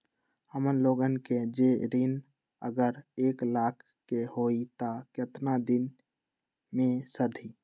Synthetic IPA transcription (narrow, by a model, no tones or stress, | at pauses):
həmənloɡənked͡ʒeɾin | ə̰ɡəɾeklakʰ | kehoit̪aket̪nad̪in | mẽsəd̪ʱi